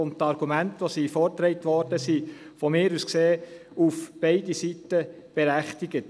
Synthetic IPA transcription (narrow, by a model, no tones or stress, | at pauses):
ʊntɑɾɡ̥umæntʋosiːfɔɾtɾɛɪt̪ʋɔɾd̥əsi | fɔmɪːɾuskseː | ufb̥eɪdisitə | b̥ɛɾæχtiɡət